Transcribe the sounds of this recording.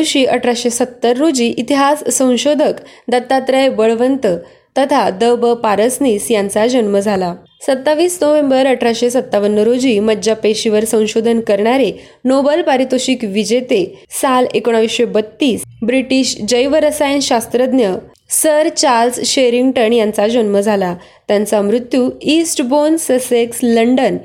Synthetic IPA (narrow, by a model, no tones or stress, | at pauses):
ɕiːʔəʈʰɾaɕesət̪ːəɾːod͡ʑiːʔit̪iɦasːə̃w̃ɕod̪ʱəkd̪ət̪ːat̪ɾəjbəɭʋənt̪ə | t̪ət̪ʰad̪əʋbəpaɾəsniːsjãnt͡sad͡ʑənməd͡zʱala | sət̪ːaʋiːsnəʋẽmbəɾəʈʰɾaɕesət̪ːaʋənːəɾod͡ʑiːməd͡ʑapeɕiʋəɾsə̃w̃ɕod̪ʱənkəɾɳaɾe | nobəlpaɾit̪oɕiːkʋid͡ʑet̪esalekoɽ̃aʋiɕʋebət̪ːiːsbɾiʈiːɕd͡ʑəjʋəɾəsajnɕast̪ɾəd̪njə | səɾt͡ɕaɾlsɕeɾiŋɡʈəɳjãnt͡sad͡ʑənməd͡zʱala | t̪jãnt͡samɾut̪ːjuːisʈbonsəseksləɳɖən